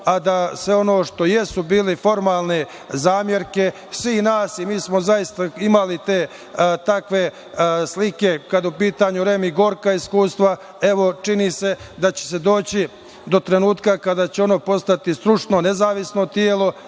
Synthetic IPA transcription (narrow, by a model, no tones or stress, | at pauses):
ad̪asʋeo̞no̞ːʃt̪o̞jesubiːlefo̞ɾmaːlˠne | zaːmje̞ɾke | sʋiːhnaːsimiːsmo̞zajist̪aimalit̪eː | t̪akʋe̞ | slike̞kad̪upiːt̪aɲuɾe̞miɡo̞ːɾkaiskuːst̪ʋa | e̞ʋo̞t͡ʃinise̞d̪at͡ɕe̥se̞d̪o̞ːt͡ɕi | d̪o̞t̪ɾe̞nuːt̪kakad̪aːt͡ɕeo̞no̞ːpo̞st̪at̪ist̪ɾut͡ʂno̞nezaːʋisnot̪jeːlo̞